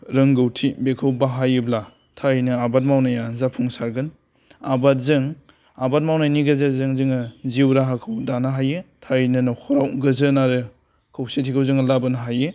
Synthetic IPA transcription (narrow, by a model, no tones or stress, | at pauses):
ɾɯŋɡɯwtʰibekʰɯwbaɦajɯbla | tʰajnɯabat̚mawnajazapʰuŋsaɾɡɯn | abat̚zɯŋ | abat̚mawnajniɡazazɯŋzɯŋɯziwɾaɦakʰɯwdanaɦajetʰajnɯnɔkʰɔɾawɡɯzɯnaɾɯ | kʰawsetʰikʰawzɯŋalabanaɦaje